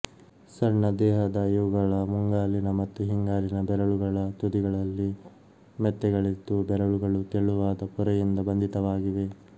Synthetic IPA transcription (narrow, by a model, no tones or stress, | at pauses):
sɐɾɳɐd̪ɛːɦɐd̪ɐjuːɡɐɭɐmuŋɡaːlinɐmɐt̪ːuɦiŋɡaːlinɐbɛɾɐɭuɡɐɭɐt̪ud̪iɡɐɭɐlːi | mɛt̪ːɛɡɐɭit̪ːubɛɾɐɭuɡɐɭut̪eɭːuʋaːd̪ɐpɔɾɐjind̪ɐbɐnd̪it̪ɐʋaːɡiʋe̞